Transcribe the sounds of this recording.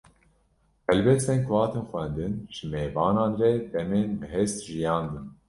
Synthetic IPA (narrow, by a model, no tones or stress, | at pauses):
hɛlbɛst̪enkwɑːt̪enxʷɛnd̪ɨnʒ̥ɨmeːvɑːnɑːnrɛd̪ɛmeːnbɨɦest̪ʒijɑːnd̪ɨn